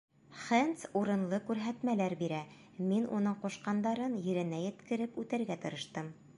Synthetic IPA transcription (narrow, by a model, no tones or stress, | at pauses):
χent̪suɾɤ̆nlˠɤkʉɾɦæt̪mælæɾbiɾæ | minunɤɴquʃqɑnd̪ɑɾɤnjɘ̆ɾɘ̆næjɘ̆t̪kɘ̆ɾɘpʉt̪ɘ̆ɾɡæt̪ɤ̆ɾɤ̆ʃt̪ɤm